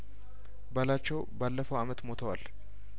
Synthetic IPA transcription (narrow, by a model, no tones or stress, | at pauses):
bəlat͡ʃːɛwbalːəfəwamət̪mo̞t̪ʰəwal